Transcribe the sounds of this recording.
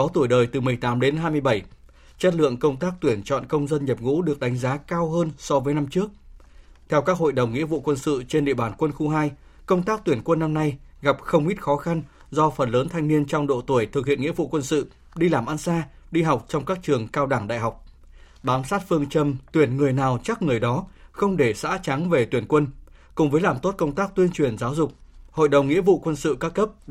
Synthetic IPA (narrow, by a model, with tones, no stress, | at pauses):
ɔ˨˦t̪u˧˩əjɗəː˨˩jt̪ɨ˨˩mɨ˨˩əjt̪aː˨˦mɗe˨˦nɦaː˧jmɨ˧əjɓə˧˩j | t͡ɕə˦˥t̚lɨ̰˧˨əŋkə˧wŋ͡mt̪aː˦˥k̚t̪wi˧˩ənt͡ɕɔ̰˧˨nkə˧wŋ͡mzə˧nɲə˨˩p̚ŋṵ˧˥ɗɨ˨˩ək̚ɗa˨˦jŋ̟zaː˨˦kaː˧wɦəː˧nsɔ˧vəː˨˦jna˧mt͡ɕɨ˦˥ək̚ | t̪ʰɛ˧wkaː˦˥k̚ɦo̰˧˨jɗə˨˩wŋ͡mŋḭ˧˥əvṵ˧˨kwə˧nsɨ̰˧˨t͡ɕe˧nɗḭ˧˨əɓaː˧˩nkwə˧nxu˧ɦaː˧j | kə˧wŋ͡mt̪aː˦˥k̚t̪wi˧˩ənkwə˧nːa˧mna˧jɣa˨˩p̚xə˧wŋ͡mʔi˦˥t̚xɔ˨˦xa˧n | zɔ˧fə˨˩nləː˨˦nt̪ʰa˧jŋni˧ənt͡ɕɔ˧wŋ͡mɗo̰˧˨t̪u˧˩əjt̪ʰɨ˨˩k̚hḭ˧˨ənŋḭ˧˥əvṵ˧˨kwə˧nsɨ̰˧˨ | ɗi˧laː˨˩mʔa˧nsaː˧ | ɗi˧ɦa˨˩wk͡p̚t͡ɕɔ˧wŋ͡mkaː˦˥k̚t͡ɕɨ˨˩əŋkaː˧wɗaː˧˩ŋɗa̰ː˧˨jɦa˨˩wk͡p̚ | ɓaː˨˦msaː˦˥t̚fɨ˧əŋt͡ɕə˧mt̪wi˧˩ənŋɨ˨˩əjnaː˨˩wt͡ɕa˦˥k̚ŋɨ˨˩əjɗɔ˨˦xə˧wŋ͡mɗe˧˩sa̰ː˧˥t͡ɕa˨˦ŋve˨˩t̪wi˨˧˩ənkwə˧n | kʊ̰˨˩ŋ͡mvəː˨˦jlaː˨˩mt̪o˦˥t̚kə˧wŋ͡mt̪aː˦˥k̚t̪wi˧ənt͡ɕwi˨˩ənzaː˨˦wzʊ˨˩k͡p̚ho̰˧˨jɗə˨˩wŋ͡mŋḭ˧˥əvṵ˧˨kwə˧nsɨ̰˧˨kaː˦˥kːə˦˥p̚